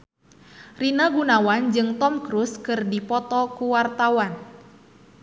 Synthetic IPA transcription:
rinaɡunawand͡ʒɨŋt̪ɔmkɾuskɨrdipɔt̪ɔkuwart̪awan

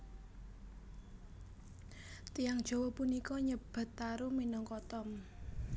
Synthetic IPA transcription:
t̪ijaŋd̥ʒ̥ɔ̤wɔpunikɔɲəb̥a̤t̪ːaɾuminɔŋkɔt̪ɔm

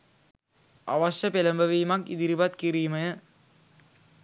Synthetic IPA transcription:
ɐ̰ʋɐsɐpelɐmbɐʋiːmɐkḭd̪iɾiʋɐt̪kiɾijmɐjɐ

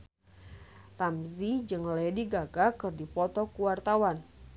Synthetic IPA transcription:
t̪amzid͡ʒɨŋlɛdiɡaɡakɨrdipɔt̪ɔkuwart̪awan

